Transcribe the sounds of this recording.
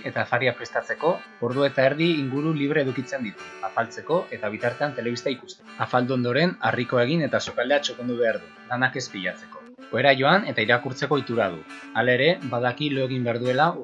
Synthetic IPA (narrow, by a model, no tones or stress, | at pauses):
e̞t̪aːfaɾiapɾe̞st̪at͡se̞ko̞ | oɾðuet̪aeɾðiːŋɡuɾuliβ̞ɾe̞eðukit͡se̞nd̪it̪u̥afalt͡se̞ko̞ʔe̞t̪aβ̞it̪aɾt̪e̞ant̪e̞le̞βist̪aikust̪eafald̪uo̞nd̪o̞ɾe̞nariko̞e̞ɣ̞ine̞t̪asokald̪eat͡ʃoke̞nd̪uβ̞e̞aɾðulanake̞spiʎat͡se̞ko̞ | oe̞ɾaʝo̞ane̞t̪aiɾakuɾt͡se̞ko̞it̪uɾað̞ṵ | alaeɾe̞baðakiloeɣ̞imbe̞aɾð̞ue̞la